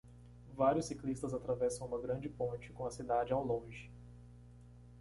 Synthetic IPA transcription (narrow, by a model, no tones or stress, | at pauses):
vaɾjʊsːiklist̪ɐzat̪ɾavɛsɐ̃w̃ũmɐɡɾɐ̃d͡ʒɪpõt͡ʃɪ̥kõɐsid̪ad͡ʒɪawlõʒɪ